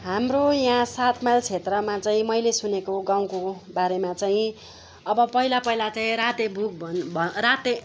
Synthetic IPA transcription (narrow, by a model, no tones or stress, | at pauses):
ɦamrojããsat̪ʰmalt͡sʰet̪rʌmat͡saĩmʌjlesunekoɡaw̃kobaɾemat͡saĩ | ʌbʌpʌilapʌilat͡saĩɾat̪ebʱuk̚bʱʌnbʱrat̪e